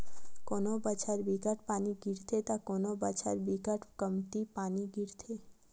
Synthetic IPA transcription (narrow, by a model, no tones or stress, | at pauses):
konobət͡ʃʰaɾbikəʈpaːniɡʱiɾt̪ʰet̪akonobət͡ʃʰa̰ɾbiɡəʈkəmt̪ipaːniɡiɾt̪ʰe